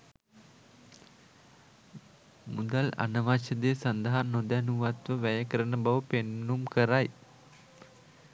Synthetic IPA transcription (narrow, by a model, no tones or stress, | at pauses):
mud̪ala̰nəʋaʃəd̪eːsand̪əɦanːod̪ænuʋat̪ʋəʋæjəkəɾənəbaʋəpenːumkəɾaj